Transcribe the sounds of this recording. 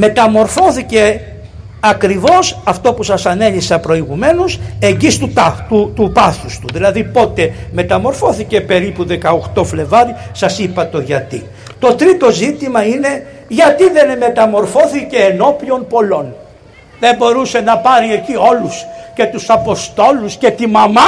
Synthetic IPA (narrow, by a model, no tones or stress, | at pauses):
me̞t̪ɐmo̞ɾfo̞θice̞ | ɐkɾivo̞sɐft̪o̞pusɐsɐne̞lisɐpɾo̞iɣume̞nuse̞ɲɟist̪ut̪t̪ut̪upɐθust̪uðilɐðipo̞t̪e̞me̞t̪ɐmo̞ɾfo̞θice̞pe̞ɾipuðe̞kɐoxt̪o̞fle̞vɐɾisɐsipɐt̪o̞ʝɐt̪ḭ | t̪o̞t̪ɾit̪o̞zit̪imɐine̞ | ʝɐt̪iðe̞nme̞t̪ɐmo̞ɾfo̞θice̞ːno̞pio̞npo̞lo̞n | ðe̞mbo̞ɾuse̞nɐpɐɾiecio̞lusce̞t̪usɐpo̞st̪o̞lusce̞t̪imɐmɐ